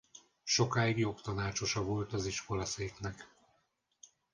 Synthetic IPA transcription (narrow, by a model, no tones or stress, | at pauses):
ʃo̞kaːiɡjo̞kt̪ɒnaːt͡ʃo̞ʃɒvo̞lt̪ɒziʃko̞lɒseːknɛk